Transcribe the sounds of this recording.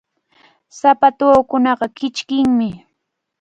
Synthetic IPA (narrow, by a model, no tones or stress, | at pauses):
sapat̪oːkʊnɑɢɑkɪt͡ʃkɪŋmɪ